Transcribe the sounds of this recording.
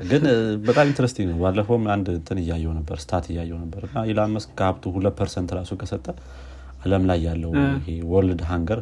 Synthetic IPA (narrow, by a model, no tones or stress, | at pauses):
ɡɨnbət̪ʼamint̪ʰəɾəst̪ʰiŋnəwbalːəfomand̪ɨnt̪ʰɨnɨjːajːɛwnəbːəɾsɨ̥t̪ʰat̪ʰɨjːajːɛwnəbːəɾɨnːajɛlaməskʰaβt̪ʰuhuləpʰːəɾsənt̪ɾasukʰʼəsət̪ʼːə | aləmlajːalːəwɪhewɔld̪ɦaŋɡəɾ